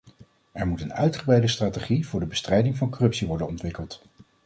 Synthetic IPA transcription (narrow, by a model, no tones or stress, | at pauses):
ʔɛɹmutənœɥtχəbrɛjdəstraːteχivʊːɹdəbəstrɛjdɪŋvɑnkɔrɵpsiʋɔɹdənɔntʋɪkəlˠt